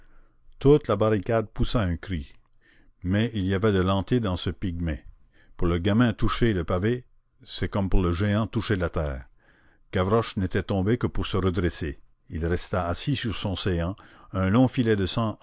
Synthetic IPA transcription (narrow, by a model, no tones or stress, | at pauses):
t̪ut̪labaʁikad̪̚pusaɛ̃kʁi | mɛiliavɛd̪əlɑ̃t̪ed̪ɑ̃səpiɡ̚mɛ | puʁləɡamɛ̃t̪uʃeləpave | sɛkɔmpuʁləʒeɑ̃t̪uʃelat̪ɛːʁ | kavʁɔʃnet̪ɛt̪ɔ̃bekəpuʁsəʁəd̪ʁese | ilʁɛst̪aːsisyʁsɔ̃seɑ̃ɛ̃lɔ̃filɛd̪əsɑ̃